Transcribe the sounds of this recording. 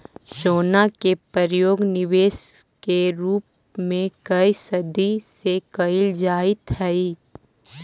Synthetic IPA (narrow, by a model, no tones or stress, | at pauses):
ʃoːnakepəɾjoːɡnɪʋeːs | keɾuːp̚ | mẽkɐisɐd̪isekɐɪld͡ʒaːit̪ɦɛi